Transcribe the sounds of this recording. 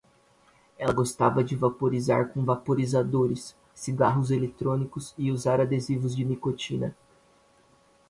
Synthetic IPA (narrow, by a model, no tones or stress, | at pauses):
ɛlɐɡost̪avɐd͡ʒɪvapoɾiza̰ɾkõvapoɾizad̪oɾɪsː | iɡaɦʊzelet̪ɾõnikʊzɪuzaɾad̪ezivʊzd͡ʒɪnikot͡ʃĩnɐ